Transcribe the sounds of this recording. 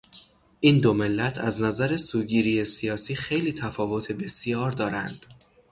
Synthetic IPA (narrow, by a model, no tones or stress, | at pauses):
ʔiːnd̪o̞me̞lːæt̪ʰæznæzæɾe̞suːɟiːɾije̞sijɒːsiːxe̞jliːt̪ʰæfɒːvo̞t̪ʰe̞be̞sjɒːɾd̪ɒːɾænd̪̥